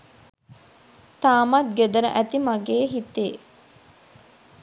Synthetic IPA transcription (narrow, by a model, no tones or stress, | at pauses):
t̪aːmat̪̚ɡed̪əɾəʔæt̪imaɡeːɦit̪e